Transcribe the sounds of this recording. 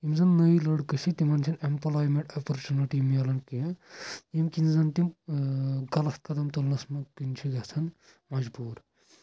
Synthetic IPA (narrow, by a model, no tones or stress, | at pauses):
imzɐnːɐjlɐɽkəsʰit̪imɐnt͡ʃʰinempɐlaːjmeʈɐpɐɾt͡ʃuniʈimɐlɐnki | imkinzɐnt̪im | ɡɐlɐst̪̚kɐd̪ɐmt̪ulnɐsmɐkint͡ʃʰiɡɐt͡sʰɐn | mɐd͡ʒbuːɾ